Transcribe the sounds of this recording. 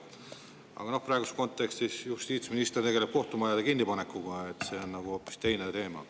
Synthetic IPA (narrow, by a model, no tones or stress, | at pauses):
ɑ̰ɡɑno̞hpɾɑeɡusko̞nt̪ːˑe̞kst̪isjust̪iːt̪sminist̪ert̪e̥e̞leb̥̚ko̞ht̪umɑjɑd̪ekinːipɑne̞kːˑuɡ̥ɑet̪se̞o̞nnɑɡ̥uo̞pːˑi̥st̪e̞jne̞t̪e̞ːmɑ̰